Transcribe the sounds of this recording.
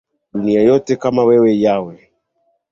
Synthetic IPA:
ɗuniajɔtɛkamawɛwɛjawɛ

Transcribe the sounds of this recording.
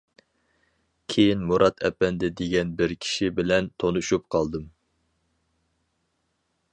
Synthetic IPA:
kʲʰejinmuɾʔɑt̪ʰɛ̰pːɛnd̪ɛd̪eɡʲɛnbɪɾkʲʰi̥ʃibɪlɛnt̪ʰonuʃup̚qʰɑlˠd̪ɨm

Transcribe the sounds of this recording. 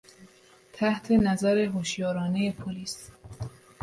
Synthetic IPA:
t̪ʰæht̪ʰe̞næzæɾe̞ɦoʃjɒːɾɒːnejepʰoliːs

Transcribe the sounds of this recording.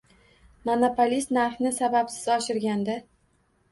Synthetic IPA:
monopʰolʲist̪naɾχnɪsabapsɪzɒʃɪɾɡʲand̪a

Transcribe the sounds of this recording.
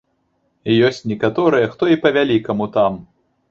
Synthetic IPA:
ijɔsʲt͡sʲnʲɛkat̪ɔɾɨjɐxt̪ɔipɐvʲalʲikɐmut̪am

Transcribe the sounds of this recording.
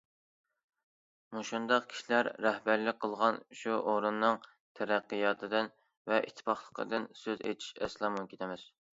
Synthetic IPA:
muʃund̪ɑqkʲʰi̥ʃilæɾːɛhbæɾlɪk̚ʲqʰəlˠʁɑnʃuʔoɾunːɨŋ | t̪ʰɛɾæqːijɑːt̪ʰɨd̪ɪn | vɛʔḭt̪ʰːɪ̥pʰɑχlˠə̥qʰə̰d̪ɨnsøzḛjt̪ʰi̥ʃɛ̰slˠɑmukʲʰet̪ʰɛmɪz̥

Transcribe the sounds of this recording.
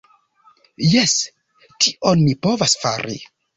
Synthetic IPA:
jes | kiʔonmipo̞vasfa̰ɾḭ

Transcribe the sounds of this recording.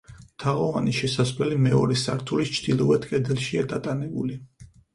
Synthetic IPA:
t̪ʰaʁɔvaniʃɛsaslɛlimɛɔɾɛsaɾt̪ʰulist͡ʃʰd̪̥ilˠɔvɛt̪kʼɛd̪ɛlˠʃiad̪at̪ʼanɛbuli

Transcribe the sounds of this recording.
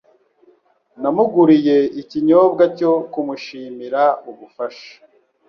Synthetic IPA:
namuɡuɾije̞iciɲoːbɡaco̞kumuʃiːmiɾauβufaʃḁ

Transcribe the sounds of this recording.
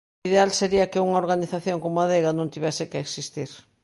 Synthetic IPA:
iðealseɾiɐkɪuŋɐoɾɣaniθaθjoŋkomoaðeɣɐnõnt̪iβesɪkeeksist̪iɾ

